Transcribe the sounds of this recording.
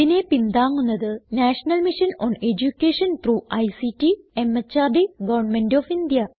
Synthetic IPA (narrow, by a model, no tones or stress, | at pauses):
ine̞pind̪aːŋːunːɐðɨnaːʂɐnɐlmiʂɐno̰ːned͡ʑukʲːeːʂɐnt̪ruːɐjsitːi | emːɐt͡ɕːaːrɖiɡɐʋɐrɳmenɖofind̪ijɐ